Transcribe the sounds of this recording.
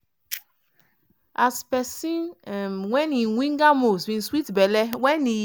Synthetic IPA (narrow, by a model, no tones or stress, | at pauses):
aspɛsĩnɛmwɛ̃nĩnwĩŋɡamosbĩnswitbɛlɛwɛni